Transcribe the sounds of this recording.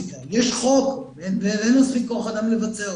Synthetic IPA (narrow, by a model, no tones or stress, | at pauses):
kajɛʃχok | envelɛnospikːoχad̪amlevat͡seʁ